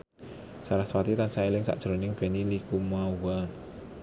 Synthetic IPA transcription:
saɾahswat̪it̪ansaelɪŋsa̰ʔd̥ʒ̥ɾo̤nɪŋb̥ɛnilikumawan

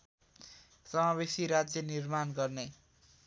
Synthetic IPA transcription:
sʌmaβesiɾad͡zjʌnirmanɡʌrne

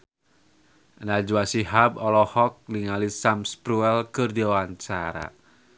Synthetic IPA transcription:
nad͡ʒuwasiɦabɔlɔhɔk̚niŋalisamspɾuɛlkɨrdiwawaɲt͡ʃa̰ɾa̰

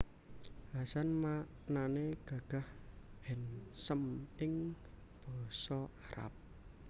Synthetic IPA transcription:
ɦasanma | naneɡ̥a̤ɡ̥a̤hb̥ɛ̤nsəmɪŋ | b̥ɔ̤sɔaɾa̰p̚

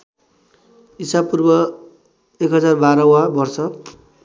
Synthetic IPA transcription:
isabpurbʌ | ekɦʌd͡zarbaɾʌwabʌrsʌ

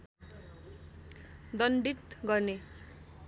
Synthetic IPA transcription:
d̪ʌnɖit̪ɡʌrne

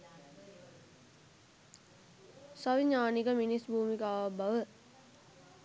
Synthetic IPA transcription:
saʋiɲaːnikəminisbʱuːmikəaʋbʱɐʋə

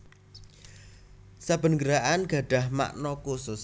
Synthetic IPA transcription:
sab̥ə̤nɡəɾaʔanɡ̥a̤ɖ̥a̤hma̰ʔnɔkusʊs

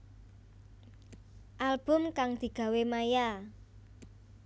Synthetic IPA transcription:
ʔalb̥ʊ̤mkaŋd̪̥i̤ɡ̥ä̤wemaja

